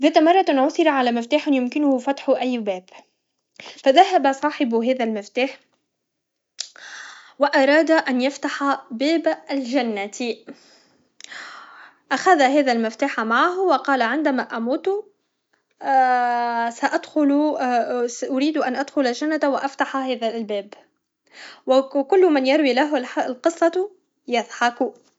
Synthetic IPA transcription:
ðɛːt̪amɑrˤːɑt̪ʔnʕʊθɪɾaʕalæːmɪft̪aːħɪnjʊmkɪnʊhʊfɑt̪ħʊʔajːbɛːb | faðaɦabasˤɑːħɪbɦæːðælmɪft̪aːħ | wɪʔɑɾˤɑːd̪aʔanjaft̪aħabɛːblʒanːat̪ | ʔaxaðaɦɛːðælmɪft̪aːħamaʕaɦwɑqɑːlaʕɪnd̪æmæʔamuːt̪ | saʔad̪xʊl | ʔʊɾiːd̪ʔanʔad̪xʊlaʒanːat̪wɪʔaft̪aħahɛːðalbɛːb | wkʊlːmanjɑɾˤwilaɦlqɨsˤːɑ | jaðˤħɑkʊ

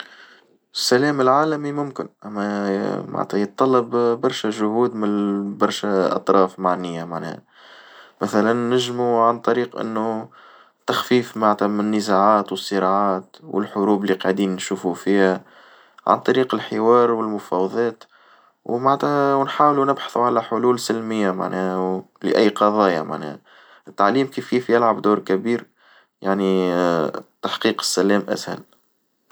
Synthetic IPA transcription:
ʔɪsːælɛːmɪlʕaːlæmimʊmkɪ̰nʔæ̰mːæma̰ʕt̪æjət̪ˤːɑlːɑbbɑɾˤʃæʒʊhuːd̪mɪnbɑɾˤʃæʔɑ̰t̪ˤɾˤɑːfmaʕnɪjːamaʕnɛ̰h | mæθælænːɪʒmuʕant̪ˤɑɾiːqʔɪ̰nːu | t̪ːaxfiːfmaʕt̪æmɪnːəzaʕaːt̪wɨsˤːɨɾɑʕaːt̪wʔɪ̰lħʊɾuːblːiqɑʕd̪iːnnʃuːfufiːhæ | ʕa̰nt̪ˤɑɾiːqəlħɪwɑːɾwɪlmʊfɑwɑðˤɑːt̪ | wmaʕt̪æwnħaːwlunɪbħɑ̥θuʕalæħʊluːlsɪlmɪjːama̰ʕnɛːhw | lɪ̰ʔæjːqɑðˤɑːjama̰ʕnɛ̰ːh | ɪt̪ːaʕliːmkiːfkiːfjɪlʕabd̪uːɾkæbiːɾ | jaʕni | t̪aħqiːqə̥sːælɛːmʔæ̰shæ̰l

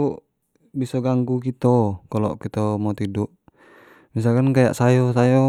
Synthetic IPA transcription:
u | bisɔɡaŋɡukit̪ɔkalɔ̰kit̪ɔmɔt̪idɔʔ | mis̬alkankaja̰ʔsajɔsajɔ

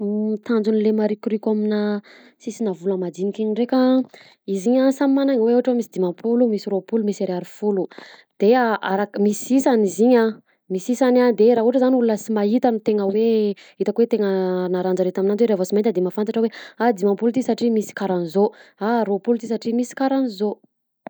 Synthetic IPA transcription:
t̪ʰand͡zunilemaɾikʲɾikʲamina | sisinavulamad̪inikiɲiɳɖ͡ʐekʲa | iziɲasamimanaŋweuɦaʈ͡ʂwamisid̪imampʰulumisiɾopulumisaɾeaɾifulud̪̥eaʔaɾakmisisaniziɲa | misisanand̪eɾaɦuʈ͡ʂəzaniulunəsimait̪anit̪eŋəwe | it̪akwet̪eŋənaɾand͡ʒaɾet̪aminanweɾeavosimajnt̪əd̪emafant̪aʈ͡ʂəwead̪imãpulut̪isaʈ͡ʂimisi̥kaɾanizoaɾopulut̪is̬aʈ͡ʂimisi̥kaɾanizo

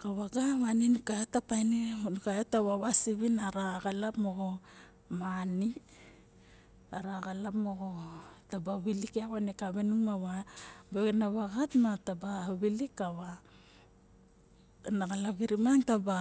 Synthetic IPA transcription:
kaβaɡaβaninukatapajnenukaetaβaβasiβinaɾaɡalapmoɡo | mani | aɾaɡalapmoɡotabaβilikeawanekaβenumaβabeenaβaɡatmatabaβilikaβa | naɡalaɡiɾimaŋtaba

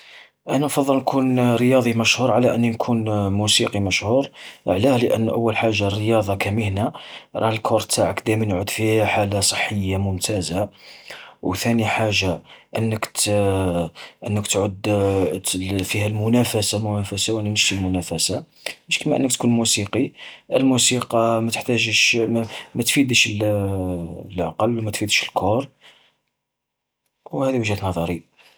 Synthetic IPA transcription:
ʔænæfɑd̪ˤːəlnkʰunɾəjɑd̪ˤimæʃhuɾˤʕalæʔənːinkʰunmusiqimæʃhuɾˤʔəʕlæhləʔə̰nːʔə̰wːəlħaʒːarːəjɑd̪ˤɑkæməhnæɾˤɑ̰ħəlkʰʊɾˤt̪ʰaʕakd̪æmnʕʊd̪fihħalːasˤə̥ħːəjːamʊmt̪ʰæza | wt̪æniħaʒːaʔənːək | ʔənːəkt̪ʕʊd̪ | fihælmʊnæfæsamʊnæfæsawʔənːænəʒt̪ilmʊnæfæsa | məʃkəmæʔə̰nːək̚t̪kunmusiqiʔəlmusiqɑmæt̪ə̥ħt̪æʒəʃmæt̪fid̪əʃəl | lʕa̰qɑlmæt̪fid̪əʃəlkʰʊɾˤ | whæd̪iwəʒhæt̪nɑðˤɑɾi

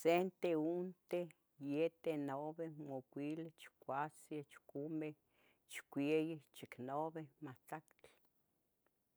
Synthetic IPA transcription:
sent̪eunt̪e | jet̪enoβemokʷilet͡ʃkʷat͡sjet͡ʃkume | t͡ʃkʷejet͡ʃiknoβemaht͡ɬakt͡ɬ

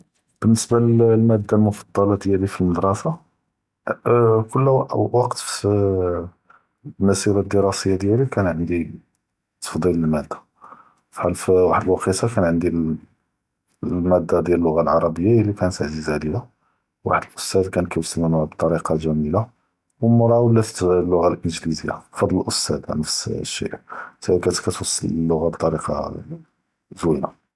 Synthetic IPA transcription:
b̥ənːəsballmæd̪ːalmʊfɑd̪ˤːɑlɑd̪jælifilməd̪ɾˤɑfa | kʊlːwɑqt̪f | məsiɾad̪iɾɑsəjːad̪jælikænʕənd̪i | t̪ə̥fd̪ˤiləlmæd̪ːḁ | fħælfwaħəd̪əlwɑqisakænʕənd̪i | lmæd̪ːad̪jæləlːʊɣalʕɑɾˤɑbəjːaəlːikænt̪əʕzizæd̪ila | wa̰ħəd̪əlʔʊst̪æd̪kænkæwəsːələnbt̪ˤɑɾiqɑʒæmila | wəmʊɾˤɑwblæt̪i̥t̪fd̪ˤiləlːʊɣalʔənʒlizəjːa̰fɑd̪ˤləlʔʊst̪æd̪nəfsʃːḭʔt̪kæt̪kæt̪wɑsˤːɑ̰ləlːʊɣabt̪ˤɑɾiqɑ̰ | zwina̰

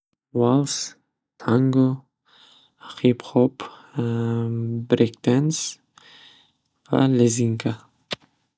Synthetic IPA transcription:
walˠs | t̪ʰaŋɡo | aqʰipχɔp | bɾekt̪ens | va̰leziŋkʰa

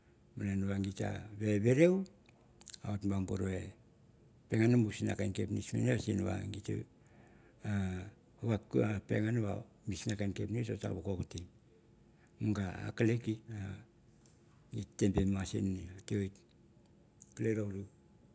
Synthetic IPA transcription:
mananuβaŋɡita̰βeβeɾew | aotbaŋbuɾoe | peŋanumusina̰kajnkepnismeneasinuβa̰ŋɡit | a | uβakapeŋanuβa̰ | misnakankepnisota̰βukokuti | muŋɡaa̰kalekita | ŋitːempemasḭniatioit | kaleɾoɾu

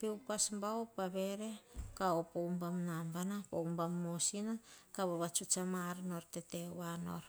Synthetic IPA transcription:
pewpasmbaopaβe̞ɾe̞kaopowmbamnambanapoumbamːosinakaβaβat͡ʃut͡ʃamaɾno̞ɾtetewano̰ɾ

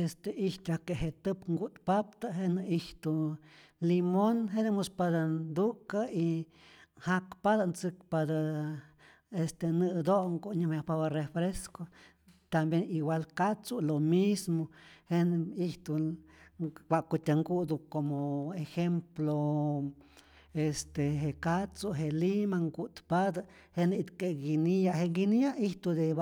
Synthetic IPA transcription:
est̪eiht̪ʲakeʔɦet̪ɨpŋɡut̪pap̚t̪aɦenɨiht̪u | limonɦed̪emuspad̪and̪ukai | hakpad̪ant͡sɨk̚pad̪a | est̪enɨd̪oŋɡuɲɨmjahpabarefɾesko | t̪ambjeniwalkat͡sulomismoheniht̪u | wʷakut̪ʲaŋɡud̪ukomoexemplo | est̪eɦekat͡suɦelimaŋɡut̪pad̪a | hent̪keɡinijaɦeŋɡinijaiht̪ud̪eba

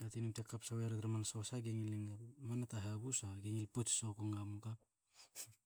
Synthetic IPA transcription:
atinumtekːapsaweaɾeɾamanasawsaɡeŋileŋmanataɦebusaɡeŋilpot͡ʃi̥sokoŋamukap̚

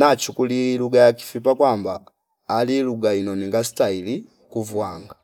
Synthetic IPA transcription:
nat͡ʃukuliluɡajaki̥fipakwambaː | liluɡainɔniŋɡasi̥taili | kuvwaːŋɡa

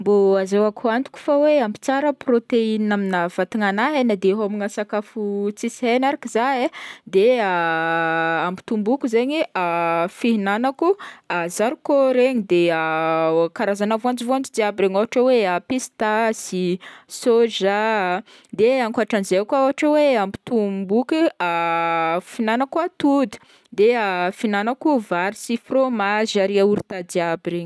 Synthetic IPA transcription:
mboazawakant̪u̥kʲu̥faweampi̥t͡saɾəprot̪einaminav̥at̪iŋanaɦenad̪eɦamiŋasakafut͡sisienaɾakizaed̪ea | ambi̥t̪umbukuzeɲiafiɦinanakuazaɾukoɾeɲid̪eakaɾazanavoand͡ʒivoand͡ʒid̪iabɾeɲaɦaʈ͡ʂaweapist̪asisoʒa | d̪eaŋkaʈ͡ʂanzekaɦaʈ͡ʂaweambi̥t̪umbukia | finanakuat̪ud̪i̥ | d̪eafinanakuvaɾisifromazaɾiauɾit̪ad̪iabiɾeɲi

